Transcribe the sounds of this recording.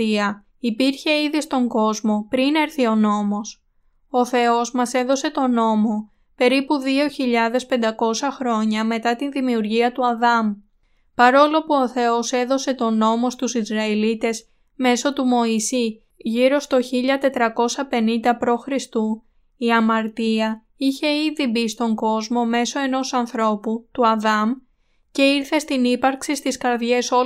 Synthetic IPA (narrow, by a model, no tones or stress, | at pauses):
iɐ | ipiɾçe̞iðist̪o̞ŋɡo̞zmo̞pɾine̞ɾθio̞no̞mo̞s | o̞θe̞o̞zmɐse̞ðo̞se̞t̪o̞no̞mo̞ | pe̞ɾipuðio̞çiʎɐðe̞spe̞nd̪ɐko̞sɐxɾo̞ɲɐme̞t̪ɐt̪inðimiuɾʝiɐt̪uɐðɐm | pɐɾo̞lo̞puo̞θe̞o̞se̞ðo̞se̞t̪o̞no̞mo̞st̪usizɾɐelit̪e̞z | me̞so̞t̪umo̞isi | ʝiɾo̞st̪o̞çiʎɐt̪e̞t̪ɾɐko̞sɐpe̞nind̪ɐpɾo̞xɾist̪u | iɐmɐɾt̪iɐ | içe̞iðibist̪o̞ŋɡo̞zmo̞me̞so̞e̞no̞sɐnθɾo̞put̪uɐðɐm | ce̞iɾθe̞st̪inipɐɾksist̪iskɐɾðʝe̞so